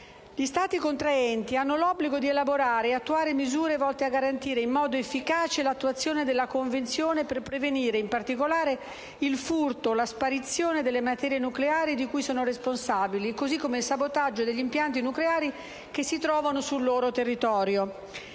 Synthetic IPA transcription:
ʎist̪aːt̪ikont̪ɾaɛnt̪ianːolɔbːliɡod̪ielaboɾaːɾeat̪ːuaːɾemizuːɾevɔlt̪eaɡaɾant̪iːɾeimːɔːd̪oefːikaːt͡ʃelat̪ːuat̪sːjoːned̪elːakoɱvent̪sjoːneperpɾeveniːɾeimpart̪ikolaːɾe | ilfurt̪olaspaɾit̪sːjoːned̪elːemat̪ɛɾjenukleaːɾid̪ikujsoːnoɾesponsaːbilikozikːomeilsabot̪ad͡ʒːod̪eʎːimpjant̪inukleaːɾi | k̟esːit̪ɾɔːvanosulːoːɾot̪erːit̪ɔːɾjo

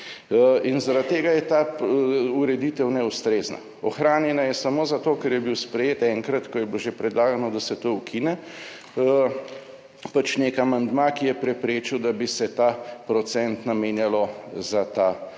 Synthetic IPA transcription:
inzaɾat̪̚ːeːɡajɛt̪a | uɾɛd̪it̪ɛwnɛust̪ɾeːzna̰ | ɔxɾaːnjɛnajɛsamoːzat̪okɛɾjɛbiwspɾɛjeːt̪ɛŋkɾat̪kɔjɛbloʒepɾɛd̪laːɡanɔd̪asɛt̪oukʰinɛ | pat͡ʃnekamand̪makijɛpɾɛpɾeːt͡ʃiwd̪abisɛt̪apɾɔsɛnt̪nameːnjalɔzat̪a

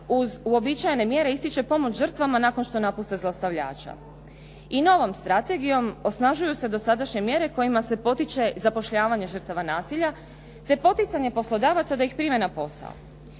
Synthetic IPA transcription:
uzuo̞bit͡ʃajene̞mje̞ɾe̞ist̪it͡ʃe̞po̞mo̞t͡ʃʒr̩t̪ʋamanaːko̞nʃt̪o̞napust̪e̞zlˠast̪aʋʎa̰ːt͡ʃa̰ | ino̞ʋo̞mst̪ɾat̪e̞ɡijo̞mo̞snaʒujuse̞d̪o̞sad̪aʃɲe̞mje̞ɾe̞ko̞jimase̞po̞t̪it͡ʃe̞zapo̞ʃʎaːʋaɲeʒər̩t̪aʋanaːsiʎa | t̪e̞po̞t̪it̪saɲe̞po̞slo̞d̪aːʋat̪sad̪aixpɾimenapo̞sa̰o̰

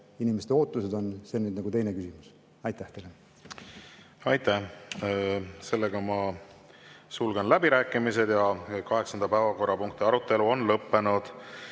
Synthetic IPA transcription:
inimest̪eoːt̪ːˑused̪o̞nse̞nyːd̪nɑɡut̪e̞jne̞kysimus | ɑjt̪ːˑæht̪e̞jle | ɑjt̪æh | se̞lːeɡ̥ɑmɑ | sulɡenlæbiɾæːkːˑimise̞d̪jɑkɑɦe̞ksɑnd̪̥ɑpæːvɑko̞rːɑpuŋk̚t̪iɑɾut̪ːe̞luo̞nlɤpːe̞nud̪̥

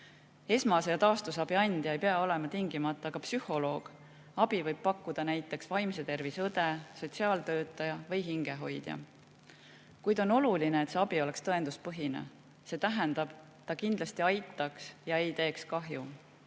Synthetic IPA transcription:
e̞smɑsejɑt̪ɑːst̪usɑb̥iɑnʲd̪̥jɑejpeɑo̞le̞mɑt̪iŋɡimɑt̪ˑːɑːɡ̥ɑpsyho̞lo̞ːɡ̥ | ɑb̥ivɤjb̥̚pɑkːud̪̥ɑnæjt̪ːˑe̞ksvɑjmse̞t̪e̞rvisɤd̪̥e̞so̞tʲsiɑːlt̪ø̞ːt̪ːˑɑjɑvɤjɦiŋɡe̞ɦo̞jd̪̥jɑ̰ | kujd̪̥o̞no̞lulineːt̪se̞ɑb̥io̞le̞kst̪ɤe̞nd̪uspɤɦinḛ | se̞ːt̪æɦɛnd̪̥ɑb̥ | t̪ːɑkind̪̥lɑst̪iɑjt̪ːˑɑksjɑe̞jt̪e̞ːkskɑɦju

